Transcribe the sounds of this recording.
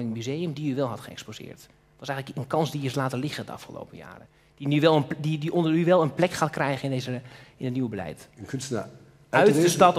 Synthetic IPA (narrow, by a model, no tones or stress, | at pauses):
lɪŋmyzejəmdinyʋɛlˠɦɑtχəɛkspozɪ̰ːɹt | tʋɑs̬ɛjɣənləkənkɑnsdiɪslaːtəlɪχədə̰ɑ̰fχəlo̰wpəja̰ːrə | d̥inyʋɛlˠədidiʔondəɹyʋɛlˠənplɛkχaːtkrɛjχənɪndezəɪnətniʋəbəlɛ̰jtənkɵnstəna̰ | œɥdəstɑt